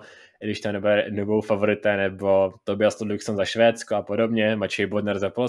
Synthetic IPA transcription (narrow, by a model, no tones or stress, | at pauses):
dɪʃt̪onɛbɛnubowfavoɾɪt̪ɛnɛbot̪obɪast̪odluksonzaʃvɛːt͡skoapodobɲɛmat͡ʃɛjbodnɛɾzɛpo